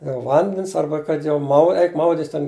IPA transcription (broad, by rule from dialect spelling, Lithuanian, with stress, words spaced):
jɛʊ ˈʋɐnʲdʲɛns ˈɐrbɐ kɐt jɛʊ ˈmɐʊ ˈɛɪk ˈmɐʊdʲɪtʲsʲ tʲɛn